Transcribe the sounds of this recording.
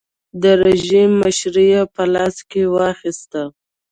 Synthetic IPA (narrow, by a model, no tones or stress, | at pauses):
d̪əɾeʒimːaʃɾijapəlɑskewɑxist̪a